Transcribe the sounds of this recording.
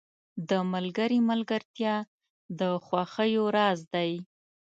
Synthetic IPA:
d̪əmalɡəɾimalɡaɾt̪jɑ | d̪əxwaxəjoɾɑzd̪aj

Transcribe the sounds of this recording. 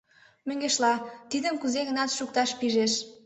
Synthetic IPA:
møŋɡeʃlɑt̪id̪əmkuzeɣənɑt̪ʃuk̚t̪ɑʃpiʒeʃ

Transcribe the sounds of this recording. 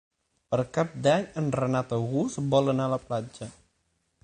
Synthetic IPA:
pərkap̚daɲənranat̪ɔɣusəbɔlənalap̚lad͡ʒa

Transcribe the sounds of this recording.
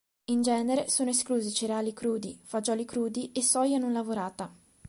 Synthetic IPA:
ind͡ʒɛːneɾesoːnoeskluːzit͡ʃiɾaːlikɾuːd̪ḭfad͡ʒɔːlikɾuːd̪iesːɔjanunlavoɾaːt̪a

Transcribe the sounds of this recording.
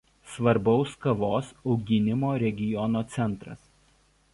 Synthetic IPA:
sʋɐɾbɒʊskɐʋoːsɒʊɡʲɪnʲɪmoːɾʲɛɡʲɪjɔnoːt̪sʲɛnˑt̪ɾɐ̰s

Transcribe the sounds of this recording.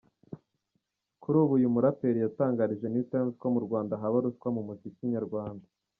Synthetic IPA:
kuɾuːβujumuɾape̞ɾijataːŋɡaɾiʒe̞nitemskomuɾɡwaːndaɦaβaɾuskwamumuzikiɲaɾɡwaːnda

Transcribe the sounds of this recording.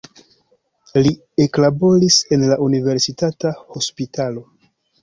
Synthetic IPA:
li | e̞klabo̞ɾise̞nlaʔunive̞ɾsitataho̞spitʰalo̞

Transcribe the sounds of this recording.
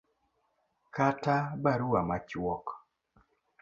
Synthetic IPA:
katabaɾuamat͡ʃwɔk

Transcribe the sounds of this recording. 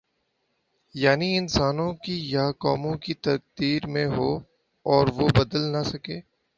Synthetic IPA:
jaːniɪnsaːnõkijakɔːmõkit̪ɐk̚d̪iːɾmẽɦoː | ɔːɾʋobɐd̪əlnasɐkeː

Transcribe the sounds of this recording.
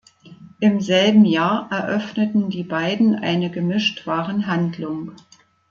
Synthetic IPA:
ʔɪmzɛlbm̩jaːɐʔɛɐʔœfnətn̩diːbaɪdn̩ʔa̰ɪnəɡəmɪʃtv̥aːʁənɦandlʊŋ

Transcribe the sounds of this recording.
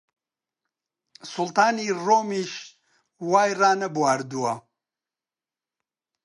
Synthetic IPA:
sʊlt̪aːniːroːmiːʃ | waːjraːnɐbuwaːɾd̪uwɐ

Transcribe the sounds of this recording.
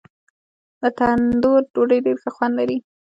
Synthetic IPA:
d̪ət̪and̪oɾɖoɖəjɖeɾxaxwand̪laɾi

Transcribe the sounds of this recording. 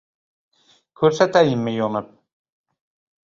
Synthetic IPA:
kʲʰɵɾsat̪æjɪmːɪjonɨp̚

